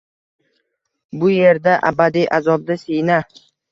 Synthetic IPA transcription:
bʊje̞ɾd̪aʔa̰bad̪ijʔazɒb̚d̪asejna

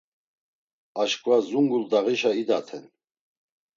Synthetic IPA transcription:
aʃkʼvazuŋɡuld̪aʁiʃaid̪at̪ʰɛ̰n

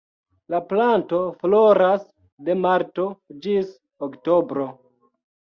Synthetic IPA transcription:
laplanto̞floɾas | de̞maɾto̞d͡ʒis | oktobɾo̞

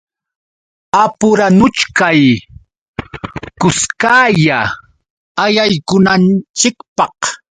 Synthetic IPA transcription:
apʊɾanʊt͡ʃkaj | kʊskaːja | ajajkʊnant͡ʃɪkpɑq

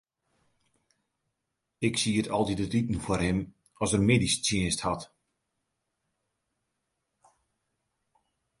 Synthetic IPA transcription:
ɪksiətɔlˠdidətitn̩fərhɪm | ɔsdərmeːdist͡sjɪənsthat

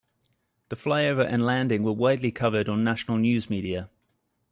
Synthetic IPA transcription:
ðəflaɪəʊvəɹʔə̃nlæ̃ndɪ̃ŋwəwaɪdˡlikʰʌvədn̩naʃənəlˠnjʉːzmiːɾiə

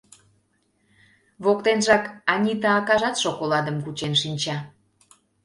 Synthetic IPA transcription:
βok̚t̪enʒɑkɑnʲit̪ɑːkɑʒɑt̪ʃokolɑd̪əmkut͡ɕenʃinʲt͡ɕɑ

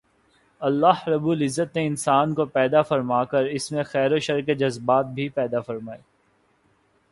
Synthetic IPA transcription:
ɐlːaːɦɾɐbuːlɪzːət̪mẽɪnsaːnkopɛːd̪afɐɾmaːkəɾɪsmẽxɛːɾoʃɐɾked͡ʒɐzbaːt̪̚bʱipɛːd̪afɐɾmaːeː

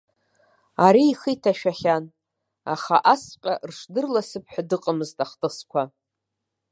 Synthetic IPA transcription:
aɾiːχitʰaʃᶣaχʲan | a̰χa̰ʔasqʲʼarʂdɨrlasɨpʰħʷᶣadɨqʼəmɨztʼaχtʼɨskʷʰa

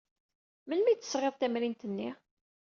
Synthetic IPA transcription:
mənmijt͡s̪ːə̥sʁeðˤt̪æmɾint̪ənːi

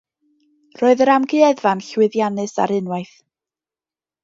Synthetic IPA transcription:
roːɨðəɾamɡɨɛðvanɬwɪðjanɨsa̰ɾɨnwajθ

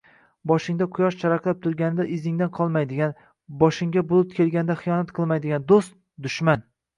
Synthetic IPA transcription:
bɒʃɪŋd̪aqʰʊjɒʃt͡ʃʰaɾaqlˠap̚t̪ʰʊɾɡʲanɪd̪aʔɪzɪŋd̪anqʰɒlˠmajd̪ɪɡʲan | bɒʃɪŋɡʲabʊlˠɪpkʲʰe̞lˠɡʲanɪd̪aχɨjɒnat̪qʰɨlˠmajd̪ɪɡʲand̪ost̪̚ | d̪ʊʃman

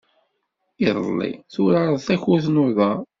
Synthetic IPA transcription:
iðˤə̰lːḭθʊɾaɾˤəðˤθæçʊθnʊðəˤ

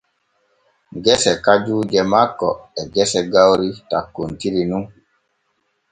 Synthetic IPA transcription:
ɡɛsɛkad͡ʒuːd͡ʒɛmakːɔ̰ɛɡɛsɛɡawɾitakːuntiɾinuŋ

